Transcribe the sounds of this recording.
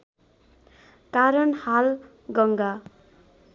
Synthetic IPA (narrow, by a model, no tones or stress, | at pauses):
kaɾʌnhal | ɡʌŋɡa